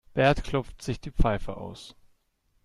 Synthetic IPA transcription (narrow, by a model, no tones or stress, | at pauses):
b̥ɛɐtkʰl̥ɔpp͡ftz̥ɪçd̥iːpp͡faɪfəʔa̰ʊs